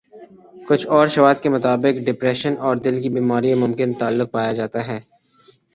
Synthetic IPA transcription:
kʊt͡ʃʰɔːɾʃɐʋaːd̪kemʊt̪aːbɪkɖɪpɾɛːʃənɔːɾd̪ɪlkibiːmaːɾiemʊ̃mkɪnt̪aːlːʊk̚paːjad͡ʒaːt̪aɦɛː

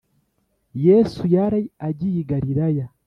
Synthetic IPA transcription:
jesujaɾaaɟijiɡaɾiɾaja

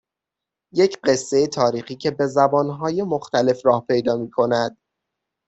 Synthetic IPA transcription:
jecʰɢe̞sːe̞jet̪ʰɒːɾiːxiːcʰe̞be̞zæbɒːnɦɒːje̞moxt̪æle̞frɒːhpʰe̞jd̪ɒːmiːkʰo̞næd̪̥

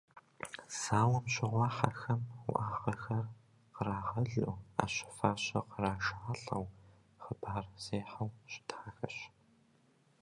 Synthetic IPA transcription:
z̥aːwɐmɕɪʁʷɑːħaxɐmʊ̰ʔaːʁɐxɐr | qəɾaːʁɐɮuːa̰ːɕɪ̥faːɕɐqəraːʒaːɬɐ̰w | χəbaːrz̥eːħɐwɕɪ̥tʰaːxɐ̰ɕ

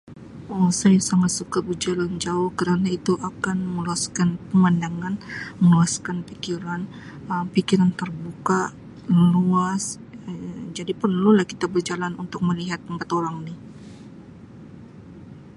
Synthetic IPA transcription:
ɔsajasaŋat̪̚sukabərd͡ʒaland͡ʒaʊhkəɾanait̪uʔakanməluaskanpəmandaŋanməluaskanpikiɾan | əmpikiɾant̪ərbuka | luas | d͡ʒadipərnlulahkit̪abərd͡ʒalanunt̪ʊk̚məliɦat̪̚ːəmpat̪oɾaŋnɪh

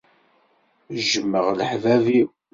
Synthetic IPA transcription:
ʒəmːəʁləħvævi

